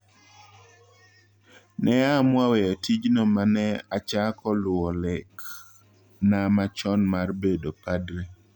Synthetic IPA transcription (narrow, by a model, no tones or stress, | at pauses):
nɛamwawɛjɔtid͡ʒnɔmanɛat͡ʃakɔlʊɔlɛk | namat͡ʃɔnmarbedopadɾe